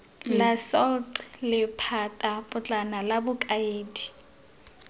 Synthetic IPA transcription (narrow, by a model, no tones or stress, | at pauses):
lasɔltʼlɪpʰatʼapʼʊt͡ɬʼanalabʊkʼaeːdi